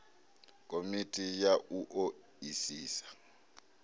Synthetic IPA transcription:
kʼomitʼijaʔuʔo | isiːsḁ

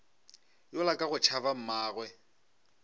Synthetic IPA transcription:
jʊlakʼaɣʊt͡ʃʰaβam̩maːɣwɛ

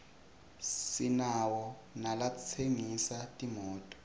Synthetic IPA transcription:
sinawɔ | nalat͡sʰeŋisatʼimɔːtʼɔ̥

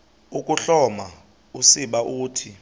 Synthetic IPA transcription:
uk̬ʼuɬɔma | usiɓaʔuːtʰi

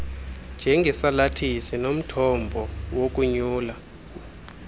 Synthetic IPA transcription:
nd͡ʒʱɛŋɡʱɛsalatʰisinom̩tʰɔmbʱɔwok̬ʼuɲuːla

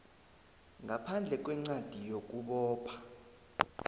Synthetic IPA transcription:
ŋɡʱapʰand͡ɮʱɛk̬ʼwɛŋ͡ǀad̥ʱijok̬ʼuɓɔːpʰa

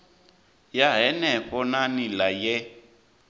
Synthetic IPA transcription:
jaɦɛnɛɸʼɔnanilajɛ

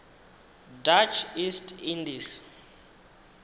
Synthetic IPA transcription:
dat͡ʃʰistʰindis

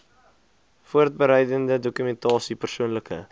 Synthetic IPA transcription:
fuərt̚bəɾɛjdəndədokymɛntɑːsipərsuənləkə̰

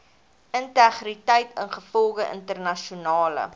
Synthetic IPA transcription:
əntæχritəjtənχəfɔlˠɡəʔə̰ntərnɐʃiunɑːlə̰

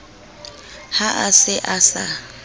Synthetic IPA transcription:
haʔasɪʔasa

